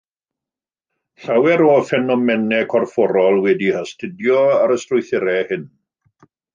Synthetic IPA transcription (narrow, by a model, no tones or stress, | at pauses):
ɬawɛɾɔfɛnɔmɛnɛkʰɔrfɔɾɔlˠwɛdihastʰɪdjɔaɾəstrʊjθɪɾɛhɪn